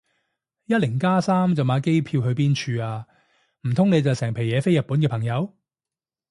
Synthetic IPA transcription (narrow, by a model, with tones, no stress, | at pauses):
jɐ˥t̚lɪ˨˩ŋkaː˥saː˥mt͡sɐ˨wmaː˨˥ke˥jpʰiː˧wɦɵ˨˧piː˥nt͡ʃʰyː˧aː˧ | m̩˨˩t̪ʰʊ˥ŋne˨˧jt͡sɐ˨wsɛː˨˩ŋpʰe˨˩jɛː˨˧fe˥jɐ˨t̚pːuː˨˥nkɛː˧pʰɐ˨˩ŋjɐ˨˧w